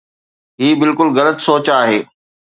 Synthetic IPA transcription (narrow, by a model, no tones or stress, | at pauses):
ɦiːbɪlkʊlɣɐlət̪soːt͡ɕaːɦeː